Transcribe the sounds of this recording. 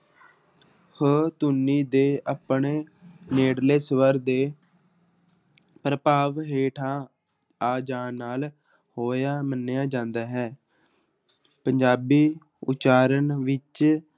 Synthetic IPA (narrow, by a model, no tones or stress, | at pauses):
hət̪ʊnːiːd̪eːʔapɳeːneːɽleːsʋəɾd̪eː | pɾəpaːʋɦeːʈʰaː | aːd͡ʒãːnaːl | hoːjaːmənːejaːd͡ʒãːnd̪aːɦɛː | pəɲd͡ʒaːbiː | ʊ̰t͡ʃaːɾənʋɪt͡ʃ